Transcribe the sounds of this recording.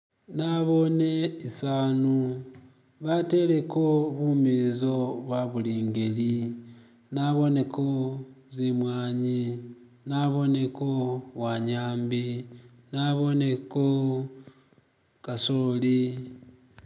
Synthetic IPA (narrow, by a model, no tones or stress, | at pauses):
naβo̞ne̞isaːnu | βate̞le̞ko̞βumizo̞βwaβuliːŋɡe̞li | naβo̞ne̞kʰo̞zimwaːɲi | naβo̞ne̞kowaɲaːmbi | naβo̞ne̞ko | kasoːli